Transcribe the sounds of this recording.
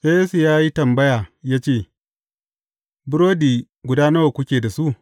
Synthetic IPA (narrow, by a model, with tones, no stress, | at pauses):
ʔe˦e˦su˨jaː˦ji˦tɐ˨mbɐ˦jaː˨jaː˦t͡ʃeː˦˨ | bʊ˦ɾoː˦diː˨ | ɡʷʊ˨daː˦nɐ˦wa˨kʷʊ˦kʲeː˨da˨su˦ʔ